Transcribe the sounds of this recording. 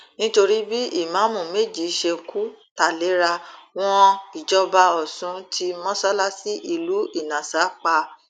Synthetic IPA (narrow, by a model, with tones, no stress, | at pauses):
nĩ˦to˧ɾi˦bi˦i˦˨mã˨˦mũ˨me˦˨d͡ʒi˨˦ʃe˧kʰu˦ta˦˨le˨˦ɾa˧w̃ɔ̃˧i˨d͡ʒɔ˧ba˧ɔ˦˨sũ˨˦tʰi˧mɔ̃˦sa˦la˦si˦ʔi˧˨lu˨˦i˦˨nã˨sa˨˦k͡pa˧